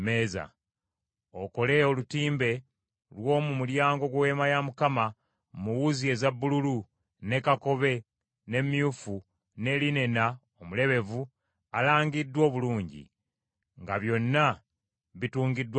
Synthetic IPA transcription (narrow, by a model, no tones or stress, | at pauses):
meːza̰ | oko̞le̞olutiːmbe̞ | lwo̞ːmumuljaːŋɡo̞ɡwe̞ːmajamukama | muwuzie̞zabːululu | ne̞kako̞βe̞ | ne̞mjufu | ne̞line̞na | omule̞βe̞vu | alaːŋɡidːwo̞ːβuluːɲɟḭ | ŋɡaβjo̞nːa | βituːŋɡidːw